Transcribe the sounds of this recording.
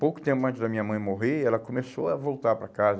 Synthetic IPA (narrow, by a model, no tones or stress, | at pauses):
powkʊ̥t̪ẽmpʊɐ̃nt͡ʃɪzd̪ɐmĩɲɐmɐ̃j̃moɦeɛlɐkõmesoɐvowt̪aɾpɾɐkazɐ